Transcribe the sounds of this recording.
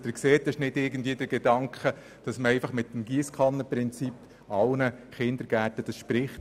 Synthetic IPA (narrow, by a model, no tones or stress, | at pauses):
d̥əɾkseːtɪʃnɪdɪɾɡən̩dʋiːədəɾɡɛdɑŋkχə | d̥ɑsməɛɪfɑχmɪtːm̩ɡiːskʰɑnːəpɾɪnt͡sip | ɑlnəχɪndəɾɡ̥ætəd̥ɑsʃpɾɪχt